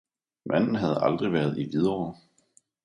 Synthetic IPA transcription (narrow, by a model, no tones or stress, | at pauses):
mʔæn̰n̩ɦæð̞̩ˠɑ̈ld̥ʁiʋæɐðˠiʋið̞ˠɒː